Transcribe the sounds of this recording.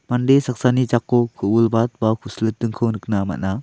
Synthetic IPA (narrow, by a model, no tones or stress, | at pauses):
mandesak̚sanit͡ʃakːɔkʰɯwulbat̪̚bakʰuslɯtːɯŋkʰɯwnɯk̚nama̰ʔna